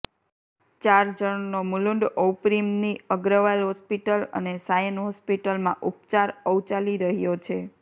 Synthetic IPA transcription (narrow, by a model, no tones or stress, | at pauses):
t͡ʃaɾd͡ʒəɳnomulũɳɖowpɾimniəɡɾəʋalɦɔspiʈələ̰nesajənɦɔspiʈəlmã̰ʔupt͡ʃaɾəʋt͡ʃaliɾəɦjot͡ʃʰe